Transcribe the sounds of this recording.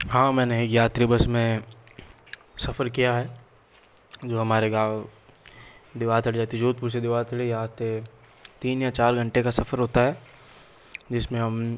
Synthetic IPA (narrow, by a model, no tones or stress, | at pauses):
ɦãːmɛ̃ːneeːkjaːt̪ɾibəsmẽ | sɐfəɾkijaɦɛː | d͡ʒoːɦɐmaːɾeɡaːʋ | d̪ɪʋaːt̪ɐɽd͡ʒaːt̪ed͡ʒuːt̪̚puɾsed̪ɪʋaːt̪ʰɐɽejat̪e | t̪iːnjat͡ʃaːɾɡʱɐ̃ɳʈekasɐfʰəɾɦoːt̪aɦɛː | d͡ʒɪsmẽɦɐm